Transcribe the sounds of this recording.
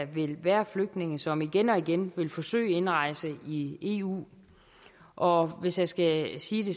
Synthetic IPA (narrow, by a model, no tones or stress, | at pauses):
ʋe̝lʋæːɐfløɡ̥̚d̥ne̝ŋəsɒ̽miɡ̥enɒ̽iɡ̥enʋe̝lfɒ̽sø̰ːɪe̝nʁɑ̈ɪsəie̝̰ːṵː | ʔɒ̽ʋe̝sjasɡ̥æsiːd̥e̝